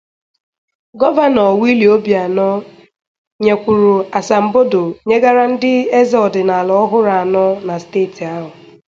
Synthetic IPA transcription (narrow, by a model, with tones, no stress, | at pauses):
ɡɔ˦va˦nɔ˨wi˦li˨o˦bja˨nɔ˦ | ɲe˨kʷu˨ɾu˨a˨sa˨m̩˨bo˦do˨ɲe˦ɡa˦ɾa˦n̩˦dɪ˦e˦zɔ˨dɪ˨na˨lɔ˨˦ɦʊ˦ɾa˨a˨nɔ˦na˨steː˦˨ti˨a˦ɦʊ˨